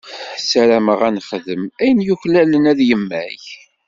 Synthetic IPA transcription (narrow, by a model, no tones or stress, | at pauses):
sæɾæməʁænχəðəmæjənjuçlælənæðjəmːæ̰j